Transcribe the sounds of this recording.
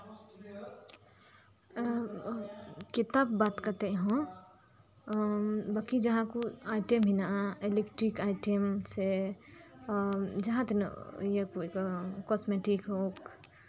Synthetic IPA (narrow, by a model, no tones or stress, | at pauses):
kit̪abbaːt̪kəɾt̪eɦũ | bakid͡ʒəɦãkuaʈemɦinaelekʈɾikaiʈemse | d͡ʒəɦãt̪en̰jekukkɔsmeʈikɦok